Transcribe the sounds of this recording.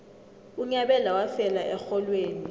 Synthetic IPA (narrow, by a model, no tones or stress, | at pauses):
uɲaɓɛlawafɛlaʔɛxɔlweːni